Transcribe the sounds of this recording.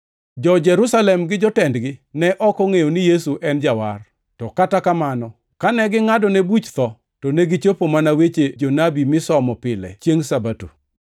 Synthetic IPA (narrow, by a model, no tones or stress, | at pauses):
d͡ʒɔd͡ʒɛɾusalɛmɡɪd͡ʒɔtɛndɡɪnɛʔɔkɔŋejonɪjesuʔɛnd͡ʒawar | tɔkatakamanɔ | kanɛɡɪŋadɔnebut͡ʃt̪ɔ | tɔneɡɪt͡ʃopomanawet͡ʃed͡ʒonabimɪsɔmɔpɪlɛ̰t͡ʃeŋsabatṵ